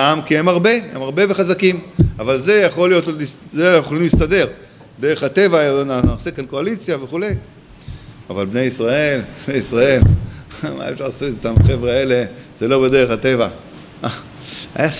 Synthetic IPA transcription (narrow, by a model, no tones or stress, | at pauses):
aamkiemaʁbe̞hemaʁbe̞veχazakimavalze̞jaχo̞lijo̞tliszeanaχuolimlistade̞ʁ | d̪e̞ʁeχat̪e̞vanasekankoalit͡sjaveχule̞j | avalbne̞jisʁae̞lnejisʁae̞lma̰ḛfʃaʁlasutet̪amχevʁeaele̞z̥elo̞bed̪e̞ʁeχate̞va | a | a̰ja